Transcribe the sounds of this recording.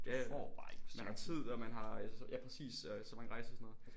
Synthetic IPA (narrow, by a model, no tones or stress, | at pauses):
æɔ̰b̥ɑ̥mænhɑ̈t͡sʰið̰ˠɒmænɦɑ̈æsjʔæpʰʁɛsḭːssɒmænʁɑ̈ɪsɐsɔnɔːð̩ˠ